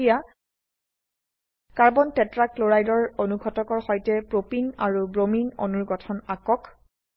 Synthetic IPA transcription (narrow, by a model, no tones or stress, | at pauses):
ja | kaɹbɔntɛtɹakloɹajdɔɹonuɡʱɔtɔkɔɹxɔjtɛpɹopinaɹubɹomino̰nuɹɡɔtʰɔnakɔk